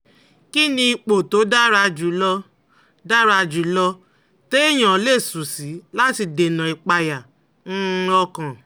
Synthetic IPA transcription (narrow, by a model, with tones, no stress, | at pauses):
ki˦nĩ˧i˧k͡po˨to˨˦da˦ɾa˧d͡ʒu˨˦lɔ˧ | da˦ɾa˧d͡ʒu˨˦lɔ˧ | te˦i˦j̃ã˨˦le˦˨su˨si˨˦la˦ti˧de˨nã˨i˨k͡pa˧ja˨ | n̩˦˧ɔ˧kã˨